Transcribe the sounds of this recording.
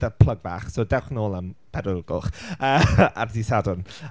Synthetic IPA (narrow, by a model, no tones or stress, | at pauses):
dəpʰl̥ˠəɡva̰ːχsoːdɛwχnoːlˠəmpʰɛdʊlɡʊ̰χəːarðisadʊn